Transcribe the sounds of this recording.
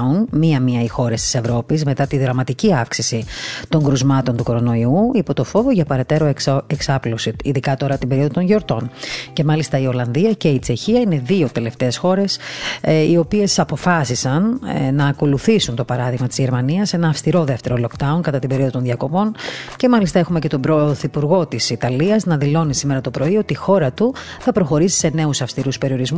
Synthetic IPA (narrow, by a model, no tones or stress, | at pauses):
unmiɐmiɐixo̞ɾe̞st̪i̥se̞vɾo̞pizme̞t̪ɐt̪iðɾɐmɐt̪iciɐfksisit̪o̞ŋɡɾuzmɐt̪o̞nt̪uko̞ɾo̞no̞iuipo̞t̪o̞fo̞voʝɐpɐɾe̞t̪e̞ɾo̞eksɐplosiiðikɐt̪o̞ɾɐt̪imbe̞ɾioðot̪o̞ɲʝo̞ɾt̪o̞nce̞mɐlist̪ɐio̞lɐnðiɐce̞it͡se̞çiɐine̞ðio̞t̪e̞le̞ft̪e̞ːsxo̞ɾe̞s | io̞pie̞sɐpo̞fɐsisɐnnɐːko̞luθisunt̪o̞pɐɾɐðiɣmɐt̪izʝe̞ɾmɐniɐse̞nɐːfst̪iɾo̞ðeft̪e̞ɾo̞lo̞kd̪ɐunkɐt̪ɐt̪imbeio̞ðot̪nðʝɐko̞po̞nce̞mɐlist̪ɐe̞xumece̞t̪o̞bɾoθipuɾɣo̞t̪isit̪ɐliɐznɐðilo̞nisime̞ɾɐt̪o̞pɾo̞io̞t̪iːxo̞ɾɐt̪uθɐpɾo̞xo̞ɾisi̥se̞ne̞usɐfst̪iɾuspe̞ɾio̞ɾizmu